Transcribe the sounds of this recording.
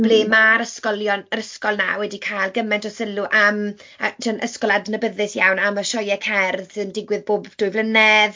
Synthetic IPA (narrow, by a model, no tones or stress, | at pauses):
b̥leːmaɾəskɔljɔnəɾəskɔlˠna̰wɛdikʰajlˠɡəmɛntʰɔsəluʔam | atʰənʔə̰skɔlˠadnəbəðɪsjawnaməʃɔjɛkʰɛrðəndɪɡwɪðboːbd̥ʊɨvlˠənɛð